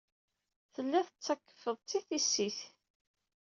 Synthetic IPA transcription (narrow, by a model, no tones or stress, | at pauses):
θəlːæθət͡sːækːə̥fəðˤt͡sːiθisːiθ